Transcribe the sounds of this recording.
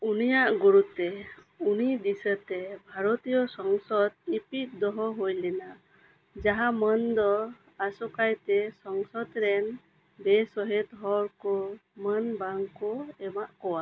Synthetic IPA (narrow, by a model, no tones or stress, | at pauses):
unijaʔɡuɾut̪ɛ | unid̪isət̪ɛbʱaɾɔt̪ijɔsɔŋsɔd̪ipit̪̚d̪ɔɦɔɦojlɛna | d͡ʒaɦamənd̪ɔ | asɔkajt̪ɛsɔŋsɔd̪ɾɛn | bɛsɔɦɛt̪ɦɔɾkɔmənbaŋkɔɛmaʔkɔwa